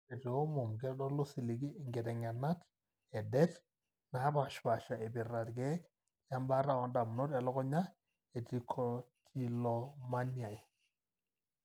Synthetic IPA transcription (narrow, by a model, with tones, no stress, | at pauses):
ɛ˨tɔ˦mɔ˨mɡɛ˦lɔ˦lʊ˦si˨li˨ɡi˦˨ŋɡɛ˨tɛ˨ŋa˨na˦t | ɛ˨dɛ˦t | na˨˦ba˨ʃwa˨ʃa˨ɛ˨bi˨ra˨tɡɛ˦k | ja˦mba˦ɾa˦wɔ˨nda˨m˨nɔ˦tɛ˨lɔ˦kɔ˦ɲa˦ | ɛ˨ti˨kʰɔ˨tʰi˦lɔ˨ma˦nja˨j